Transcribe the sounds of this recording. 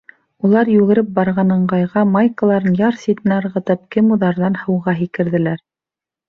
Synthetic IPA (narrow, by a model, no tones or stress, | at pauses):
ulˠɑɾjʉɣɘ̆ɾɘp̚bɑɾʁɑnɤ̆ɴɢɑjʁɑmɑjkə̆lˠɑɾɤnjɑɾsʲit̪ɘ̆nɘɤɾʁɤ̆t̪ɤp̚kɘmuðɑɾðɑnhɤ̆wʁɑɦikɘ̆ɾðɘ̆læɾ